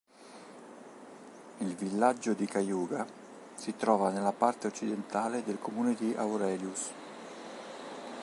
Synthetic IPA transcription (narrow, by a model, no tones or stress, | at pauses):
ilvilːad͡ʒːod̪ikajuːɡa | sit̪ɾɔːvanelːapart̪eot͡ʃːid̪ent̪aːled̪elkomuːned̪iʔa̰wɾɛːljus